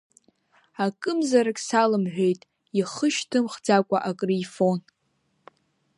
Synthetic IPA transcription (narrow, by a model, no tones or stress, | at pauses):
akʼɨmzaɾakʲʼsalɨmħᶣe̞jtʼ | iχəʃtʰɨmχd͡zakʷʼaʔakʼrifo̞n